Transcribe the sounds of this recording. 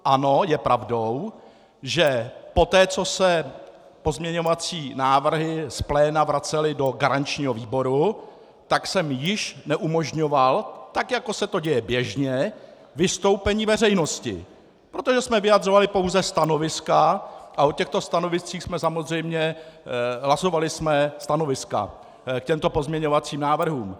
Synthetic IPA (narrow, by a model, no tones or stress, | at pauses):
ʔano̞jɛpɾavdo̞w | ʒɛpo̞t̪ɛːt͡so̞sɛ | po̞zmɲɛɲo̞vat͡siːnaːvr̩ɦɪsplɛːnavɾat͡sɛlɪdo̞ɡaɾant͡ʃɲiːɦo̞viːbo̞ɾu | t̪aksɛmjɪʃnɛʔumo̞ʒɲo̞valt̪akjako̞sɛt̪o̞ɟɛjɛbjɛʒɲɛ | vɪst̪o̞wpɛɲiːvɛrɛjno̞scɪ̰ | pɾo̞t̪o̞ʒɛsmɛvɪjad̪ro̞valɪpo̞wzɛst̪ano̞vɪskaʔaʔocɛxt̪o̞st̪ano̞vɪst͡siːxsmɛsamozr̝ɛjmɲɛ | ɦlaso̞valɪsmɛst̪ano̞vɪska̰ | kcɛmt̪o̞po̞zmɲɛɲo̞vat͡siːmnaːvr̩ɦuːm